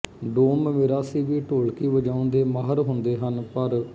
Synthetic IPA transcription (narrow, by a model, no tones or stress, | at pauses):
ɖoːmmeːɾaːsiːʋiːʈoːɭkiːʋəd͡ʒãːʊ̃nd̪eːmaːɦəɾɦʊ̃nd̪eːɦənpəɾ